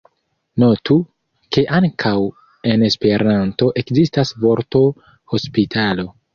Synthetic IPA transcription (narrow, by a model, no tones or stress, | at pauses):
no̞tu | ke̞ʔaŋkʰaw | e̞ne̞spe̞ɾʔanto̞ʔe̞kzistasvo̞ɾto | ho̞spitʰalo̞